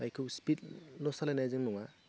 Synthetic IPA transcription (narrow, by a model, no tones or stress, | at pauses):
bajkʰɯwspitlɔsalajnajzɯŋnɔŋa